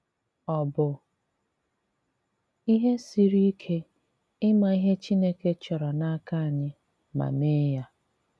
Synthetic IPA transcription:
ɔ˨bʊ˨ | i˦ɦe˦si˨ɾi˦kʰe˦ | ɪ˦ma˨i˦ɦe˦t͡ʃi˦ne˦ke˦t͡ʃɔ˨ɾɔ˨na˦ka˦a˨ɲɪ˦ | ma̰˨me˦ja˦

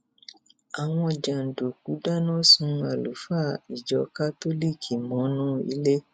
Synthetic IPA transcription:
a˨w̃ɔ̃˧d͡ʒa˨n̩˨do˨k̚u˨˦da˦nɔ̃˦˨sũ˧˦a˨lu˨˦fa˦˨i˨d͡ʒɔ˧ka˦to˦li˦˨kʰi˨mɔ̃˨˦nũ˦ḭ˧˦le˦

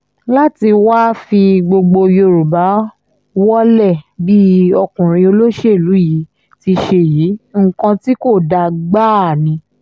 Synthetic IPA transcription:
la˦ti˧waː˦fi˧ɡ͡bo˧ɡ͡bo˧jo˧ɾu˨ba˨˦ | wɔ˦lɛ˦˨bi˦ɔ˧kũ˨ɾ̃ĩ˧o˧lo˦ʃe˦˨lu˨˦ji˨˦ | ti˧ʃe˧˨jiː˨˦ŋ̩˨kã˧ti˦ko˦˨da˧ɡ͡ba˦˨nĩ˧

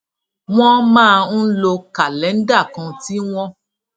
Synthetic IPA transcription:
w̃ɔ̃˦mãː˦a˧n̩˦lo˧ka˨lɛ˨˦n̩˦da˦˨kã˧ti˦w̃ɔ̃˦

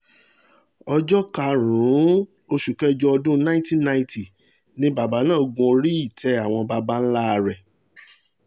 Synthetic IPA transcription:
ɔ˧d͡ʒɔ˦ka˧˨ɾ̃ũ˨˦ | o˧ʃu˨kɛ˦d͡ʒɔ˧ɔ˧dũ˦nã˦ĩ˦ti˦nã˧ĩ˧˦ti˨ | nĩ˦ba˨ba˨˦nãː˦˨ɡũ˧o˧ɾi˦i˦˨tʰɛ˨˧˦a˨w̃ɔ̃˧ba˧ba˦n̩˦la˦˧ɾɛ˨

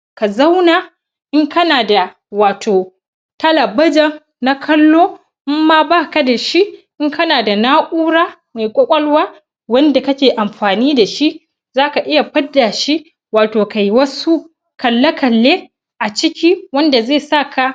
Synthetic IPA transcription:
ka˨za˦wna˨ | ʔɪ˦ŋkɐ˦naː˨da˨ | waː˨tʰoː˨ | tɐ˦lɐ˨bɐ˦d͡ʒɐ˦ŋ | na˦kʰɐ˦lːoː˦ | ʔɪ˦mːaː˦baː˦˨kɐ˦da˨ʃi˦ʔʔɪ˦ŋkɐ˦naː˨da˨naː˦ʔʷʼuː˦ɽaː˦ma˨jkʷʼɔ˦kʷʼɐ˦lwaː˦ | wɐ˦nda˨kɐ˦kʲeː˨ʔa˨mɸaː˨niː˦da˨ʃi˦ʔ | zaː˦ka˨ʔɪ˦ja˨ɸɐ˦dːa˨ʃi˦ʔ | waː˨toː˨ka˨ji˦wɐ˦su˦ | kɐ˨lːɐ˦kɐ˨lːeː˦ | ʔa˨t͡ʃɪ˦kʲi˦wɐ˦nda˨zeː˦˨sa˦˨ka˨

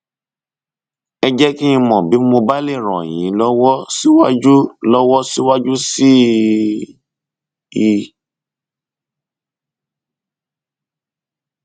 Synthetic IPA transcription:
ɛ˧d͡ʒɛ˦ki˦ĩ˧mɔ̃˨bi˨˦mo˧ba˦le˦˨ɾ̃ɔ̰̃˨j̃ĩ˨˦lɔ˦wɔ˦si˦wa˦d͡ʒu˦lɔ˦wɔ˦si˦wa˦d͡ʒu˦si˦ | i˧

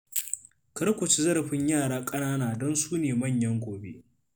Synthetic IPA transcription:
kɐ˦ɽkʷʊ˨t͡ʃi˦zɐ˦ɾɐ˨ɸɪ˦ɲjaː˦˨ɽaː˦kʼɐ˦naː˦naː˨dɔ˦nsuː˦neː˨mɐ˦˨ɲjɐ˦ŋɡʷoː˨bḛ˦ʔ

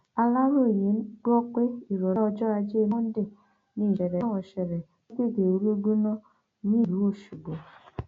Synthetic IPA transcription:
a˧la˦ɾo˦˨je˨˦n̩˦ɡ͡bo˦ke˦i˨ɾɔ˨˦ɔ˧d͡ʒɔ˦a˧d͡ʒe˦˧˦mo˦n̩˦de˦˨ | ni˦˨ɛ˨ɾɛ˨˦wɔ˨ʃɛ˨ɾɛ˨˦ | ɡe˦˨ɡe˨o˨ɾu˦ɡu˦nɔ˦ | ni˦˨ɾu˨˦o˦˨ʃu˨ɡ͡bo˨

